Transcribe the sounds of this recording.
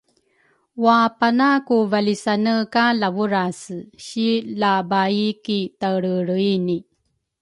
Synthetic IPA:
wapanakuvalisanəkalavuɾasɕilabaikitaɾəɾuini

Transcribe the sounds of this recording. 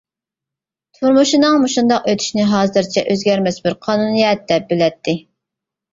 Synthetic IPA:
t̪ʰuɾmuʃinɨŋmuʃund̪ɑqøt̪ʰy̥ʃnɪɦɑːzɨɾt͡ʃʰɛʔøzɡʲɛɾmɛsbɪɾqʰɑːnunijɛt̪̚d̪ɛp̚belɛt̪ʰːɪ

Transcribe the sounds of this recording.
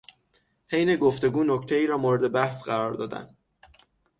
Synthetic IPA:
hejne̞ɡoft̪e̞ɡuːnoct̪ʰeiːɾɒːmoːɾed̪e̞bæhsɢæɾɒːɾd̪ɒːd̪æ̰nd̪

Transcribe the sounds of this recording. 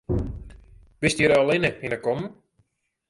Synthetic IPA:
b̥ɪstiɾəalˠɪnəinəkɔm

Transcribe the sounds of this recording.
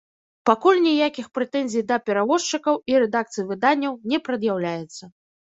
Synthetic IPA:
pakulʲnʲijakʲixpɾɛt̪ɛnʲzʲijd̪ɐpʲɛɾavɔʂt͡ʂɨkɐwiɾɛd̪akt̪sɨjvɨd̪anʲːɐwnʲɛpɾɐd̪jawlʲajɛt̪sːɐ

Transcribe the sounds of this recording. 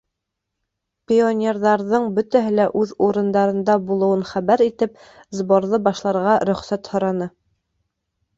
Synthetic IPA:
pʲionʲerðɑɾðɤɴbɵ̆t̪æɦɘlæʔʉðuɾɤ̆nd̪ɑɾɤ̆nd̪ɑbulˠɤ̆wɤnχæβæɾit̪ɘp̚ | zboɾðɤbɑʃlˠɑɾʁɑɾɵ̆χsæt̪hŏɾɑnɤ

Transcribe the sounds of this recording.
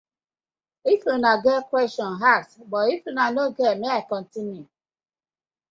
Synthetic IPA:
ifunaɡɛkwɛstɔ̃nɦatbɔifunanoɡɛmeakɔ̃n̩tinju

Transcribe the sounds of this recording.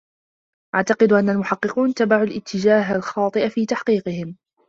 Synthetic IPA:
ʔaʕt̪ɑqɨd̪ʔanːalmʊħɑqːɨquːnt̪abaʕulʔɪt̪ʰːɪd͡ʒaːɦalxɑːt̪ˤɨʔafiːt̪aħqiːqɨhɪm

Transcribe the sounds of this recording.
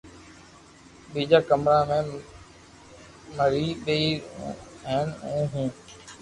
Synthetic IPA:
ɓiːd͡ʒaːkəmɾaːmẽː | məɾiːɗeiː | ɦeːnũːɦũː

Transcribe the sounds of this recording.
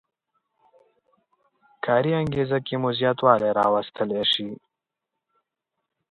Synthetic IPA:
kʰɑːɾiaŋɡezakemuzjɑt̪wɑːleɾɑ̰wast̪əleʃi

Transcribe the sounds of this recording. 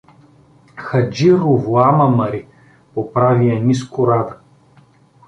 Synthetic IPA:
xɐd͡ʒiɾuvuamɐmɐɾi | popɾavijɐniskʊɾad̪ɐ

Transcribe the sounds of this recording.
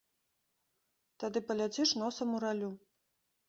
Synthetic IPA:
t̪ad̪ɨpɐlʲat͡sʲiʂnɔsɐmuɾalʲu

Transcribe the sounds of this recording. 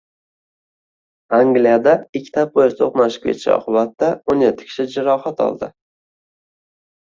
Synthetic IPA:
aŋɡlijad̪aɪkʲʰːt̪ʰap̚bojɪst̪ʰoqnaʃɪ̥kʰʲḛt͡ʃʰɪ̰ɒ̰qʰɨbat̪ːaonjet̪ʰːɪ̥kʲʰɪ̥ʃɪd͡ʒɪɾɒχat̪ʰɒ̰lˠd̪ɪ

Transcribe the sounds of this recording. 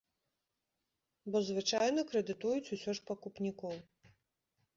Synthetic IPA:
bɔzvɨt͡ʂajnɐkɾɛd̪ɨt̪ujut͡sʲusʲɔʂpɐkupnʲikɔw

